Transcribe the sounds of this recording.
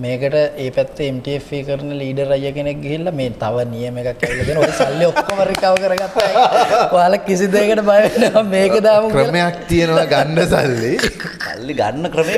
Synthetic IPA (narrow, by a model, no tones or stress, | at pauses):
meːkəʈəʔeːpɛt̪ːeemʈiefikəɾənəliːɖəɾajːəkenek̚ɡiɦilːɐmeːt̪aʋənijəmekakːɛʋilːɐk̪iːnoisalːiokːomɐɾikːaʋəkəɾəɡat̪ːajʋaːlɐkːisid̪ekəʈəbajʋenːəʋameːkəd̪aːmukrəmejakt̪ienəlaɡaɳɖəsa̰lːi | sa̰lːiɡa̰nːəkɾəme